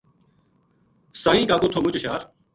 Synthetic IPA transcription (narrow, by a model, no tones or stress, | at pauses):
sãːĩːkaːkoːt̪ʰoːmʊt͡ʃʃaːɾ